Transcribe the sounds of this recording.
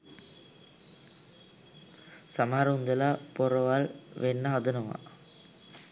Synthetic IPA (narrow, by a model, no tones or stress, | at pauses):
sɐmaːɾɐund̪ɐlapɔɾɐʋaːlʋenːɐɦɐd̪ɐnɐʋa̰